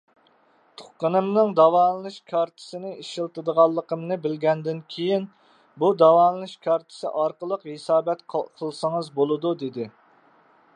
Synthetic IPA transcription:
t̪ʰo̥χ̚qːənɨmnɨŋd̪ɑwɑːnɨnɨʃkʰɑɾt̪ʰɨ̥sɪnɪiʃilˠt̪ɨd̪əʁɑlˠːəqʰəmnɨbɪlɡʲɛnd̪ɪnkʲʰejin | bud̪ɑwɑːnɨnɨʃkʰɑɾt̪ʰɨ̥sɨ̰ʔɑɾqəlˠəqhesɑːbɛt̪qqʰəlˠsəŋəzbolˠɨd̪ud̪ed̪ɪ

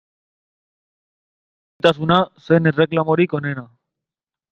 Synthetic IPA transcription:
jt̪asunasenere̞klamoɾiko̞ne̞na

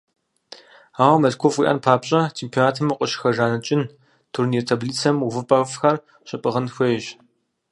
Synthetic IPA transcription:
aːʁɐmɐɮkʷʰofwḭʔɐ̰npʰaːpɕʼɐt͡ʃʰeːmpʰioːnaːtʰɨmɐqʷʼəɕxɐʒaːnɐt͡ʃʼɪn | tʰurniɛtʰɐbliːt͡sʰɐmuvɨpʼɐfxɐr | ɕʼɪpʼɨʁɐnxʷɔʒ

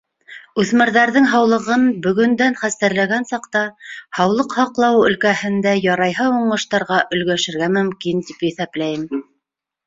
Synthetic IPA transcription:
ʉθmɘ̆ɾðæɾðɘŋɦɑwlˠɤ̆ʁɤnbɵ̆ɡɵ̆nd̪ænχæst̪æɾlæɡænsɑqt̪ɑhɑwlˠɤqhɑqlˠɑwɵ̆lkæhɘ̆nd̪æjɑɾɑjɦɤuɴɤ̆ʃt̪ɑɾʁɑʔɵ̆lɡæʃɘ̆ɾɡæmɵ̆mkint̪ipjɘθæplæjɘm

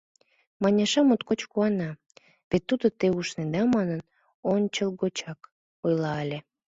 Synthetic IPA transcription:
mɑnʲɑʃɑmot̪kot͡ɕkuɑnɑ | βet̪ːud̪ot̪euʃned̪ɑmɑnən | onʲt͡ɕəlˠɡot͡ɕɑk | ojlɑelʲe

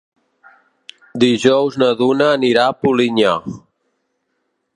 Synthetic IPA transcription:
d̪iʒɔwznəðunəːniɾapuliɲa

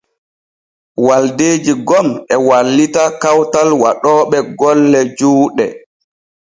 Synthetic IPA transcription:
waldeːd͡ʒiɡɔmɛwalːitakawtalwaɗɔːɓɛɡɔlːɛd͡ʒuːɗɛ̰

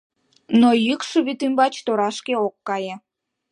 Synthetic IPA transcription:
nojykʃuβit̪imbɑt͡ɕt̪oɾɑʃkeokːɑjĕ

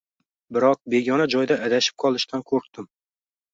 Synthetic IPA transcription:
bɪɾɒq̚be̞ɡʲɒnad͡ʒɒjd̪aʔːd̪aʃɪ̥p̚qʰɒlˠɪʃt̪ʰankʰɵk̚t̪ɪm

